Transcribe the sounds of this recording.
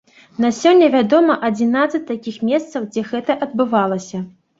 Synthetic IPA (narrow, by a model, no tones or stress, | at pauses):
nasʲɔnʲːɐvʲad̪ɔmɐʔɐd͡zʲinat̪sɨt͡sʲt̪akʲixmʲɛst̪sɐwd͡zʲɛɣɛt̪ɐʔɐd̪̚bɨvalˠɐsʲɐ